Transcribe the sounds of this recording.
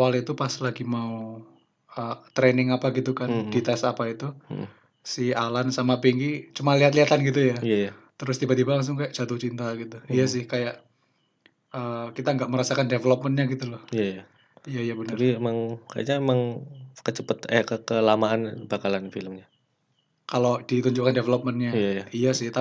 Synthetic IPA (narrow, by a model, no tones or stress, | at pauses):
kawalit̪upaslaɡimau | ət̪ɾenɪŋapaɡit̪ukanddit̪asapait̪u | sialansamapiŋɡit͡ʃumanliat̪liɦat̪anɡit̪̬ujaijajat̪əɾʊst̪ibat̪ibalaŋs̬ʊŋkajaʔt͡ʃat̪ut͡ʃint̪aɡit̪uijasɪhkajaʔ | əːkit̪aŋɡaʔməɾasakandevəlop̚mənɲaɡit̪ulɔhijaja | ijaijabənəriemaŋka̰ja̰ʔɲaemaŋkət͡ʃəpət̪ɛkəkəlamaːnb̥akalanfiləmɲa | kalodit̪uɲd͡ʒuʔkandevəlop̚mənɲajajaijasɪht̪a